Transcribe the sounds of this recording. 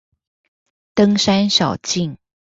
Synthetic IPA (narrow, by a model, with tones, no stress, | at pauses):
t̪ɤ˥ŋʂa˥nʂɑ˨˩ʊt͡ɕi˥˩ŋ